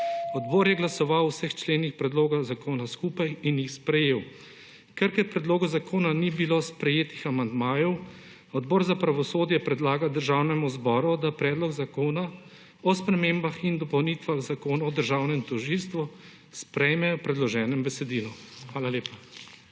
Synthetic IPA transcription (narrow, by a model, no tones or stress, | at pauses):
ɔd̪bɔːɾjɛɡlasɔʋawsəxt͡ʃleːnixpɾɛd̪loːɡazakoːnaskuːpajinjixspɾɛjeːw | kɛɾkɛɾpɾɛd̪loːɡɔzakoːnanibilospɾɛjeːt̪ixamand̪maːjɔw | ɔd̪bɔːɾzapɾaʋɔsoːd̪jɛpɾɛd̪laːɡad̪əɾʒawnɛmuzbɔːɾud̪apɾɛːd̪lɔɡzakoːna | ɔspɾɛmembaxind̪ɔpɔwnit̪ʋaɣzakoːnaɔd̪əɾʒaːwnɛmt̪ɔʒiːlst̪ʋu | spɾɛjmɛɔpɾɛd̪lɔʒɛːnɛmbɛsɛd̪iːlɔxʋaːlaleːpa